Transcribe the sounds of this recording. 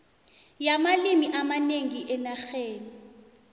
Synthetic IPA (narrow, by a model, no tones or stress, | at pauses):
jamalimiʔamaneŋiʔɛnaxeːni